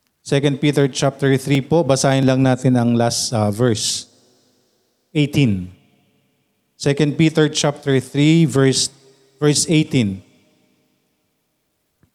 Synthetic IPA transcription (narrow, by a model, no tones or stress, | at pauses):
sɛkɐ̃nd̪̚piːt̪ɛɹt͡ʃap̚t̪ɛɹθɾipoʔbɐsaːhɪnlɐŋnaːt̪ɪnɐŋlasɐvɛɹs | ʔejt̪ĩn | sɛkɐ̃nd̪̚pit̪ɛɹt͡ʃap̚t̪ɛɹθɹivɛɹs | vɛɹsejt̪ĩn